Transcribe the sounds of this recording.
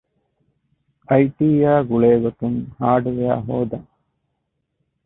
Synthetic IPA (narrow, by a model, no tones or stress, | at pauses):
ɐjʈiːjæːɡuɭeːɡot̪uŋhaːɖuʋea̰ːɦoːd̪ɐŋ